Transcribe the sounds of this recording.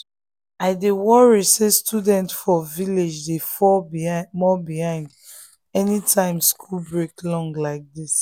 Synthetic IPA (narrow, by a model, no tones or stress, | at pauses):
aɪdewɔɹisestʰudɛ̃ntfɔviled͡ʒdefɔmɔbihãɪ̃nd | ɛnitʰãɪ̃mskʰulbɹeklɔ̃ŋɡlaɪk̚dis